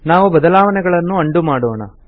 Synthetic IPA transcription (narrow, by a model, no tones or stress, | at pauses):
naːʋubɐd̪ɐlaːʋɐnɛɡɐɭɐnːuɐɳɖumaːɽoːɳɐ̰